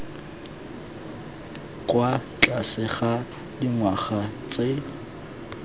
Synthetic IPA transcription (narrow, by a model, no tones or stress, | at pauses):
kʼwat͡ɬʼasɪχa | diŋwaχat͡sʼe